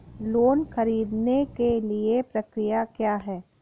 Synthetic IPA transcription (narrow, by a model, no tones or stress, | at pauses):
loːnxɐɾiːd̪nekeliepɾɐkɾijakjaːɦɛː